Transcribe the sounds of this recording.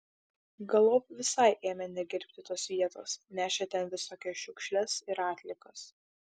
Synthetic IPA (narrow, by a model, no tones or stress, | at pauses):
ɡɐlˠoːp̚ʋʲɪsɐɪʔeːmʲɛnʲɛɡʲɪɾʲpʲt̪ʲɪt̪oːsʋʲiɛt̪o̰ːsnʲæːʃʲet̪ʲɛnʋʲɪsoːkʲɛʃʲʊkʃʲlʲɛsɪɾɑːt̪ʲlʲɪkɐs